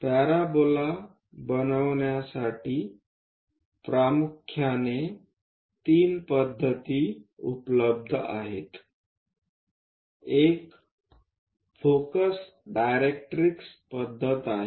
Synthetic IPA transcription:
paɾabola | bənəwnjasaʈi | pɾamukʰːjane | t̪iːnpəd̪ʱːət̪iṵpləb̚d̪ʱa̰ɦet̪ | ek | fʰokəs | ɖajɾek̚ʈɾikspəd̪ʱːət̪aɦe

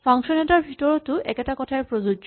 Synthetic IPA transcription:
faŋʃoneʈaɾbʱiʈoɾot̪uʔɛ̰kat̪akɔʈʰaeɾpɾod͡ʑud͡ʒ

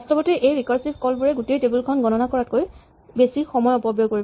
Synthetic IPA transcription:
ɔstɔbɔtiʔejɹikɔɹsip̚ʰkɔlbuɹɛɡutejtebulkʰɔnɡɔnɔnakɔɹat̚koj | besixɔmɔjɔpɔbjoɡkoɹib

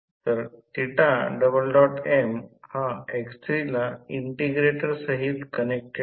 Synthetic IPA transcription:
t̪əɾʈ̪iʈaɖəbəlɖɔʈemhaekst̪ɾilaiɳʈiɡɾeʈəɾsəɦit̪kənek̚ʈ

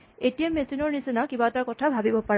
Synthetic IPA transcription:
etijamesinɔɹnisinakibataɹkɔtʰabʱabibɔpaɹ

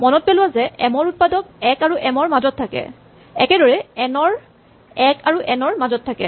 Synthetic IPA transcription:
mɔnɔt̚pelʊwazɛʔɛmɔɹut̚padɔk̚ɛkaɹuʔɛmɔɹmazɔtʰːakɛ̰ | ɛkɛdɔɹɛɛnɔɹ | ɛkaɹuʔɛnɔɹmazɔtʰːakɛ̰

